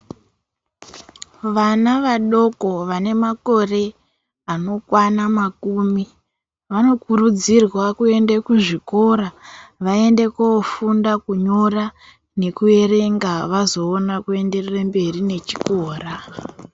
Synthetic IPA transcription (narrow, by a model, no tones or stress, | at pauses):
ʋanaʋaɗo̞ko̞ʋane̞mako̞re̞ | ano̞kwanamakuːmi | ʋano̞kuɾud͡zirwakue̞ndekuʐiko̞ɾaʋae̞nde̞koofundakuɲo̞ra | ne̞kue̞re̞ŋɡaʋazo̞ːnakue̞nde̞rerambe̞rine̞t͡ʃi̥koːra